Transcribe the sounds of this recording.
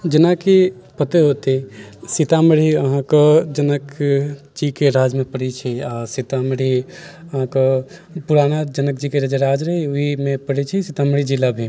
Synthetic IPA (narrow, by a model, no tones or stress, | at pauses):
d͡ʒənaki | pət̪eɦot̪isit̪aməɽ̤iəɦãkɔd͡ʒənək | d͡ʒikeɾad͡ʒmepəɽit͡ʃʰɛasit̪aməɽ̤iəɦãkɔpuɾanad͡ʒənək̚d͡ʒikeɾəd͡ʒeɾad͡ʒɾəɦiuɦimepəɽɛt͡ʃʰɛsit̪aməɽ̤id͡ʒilabʱi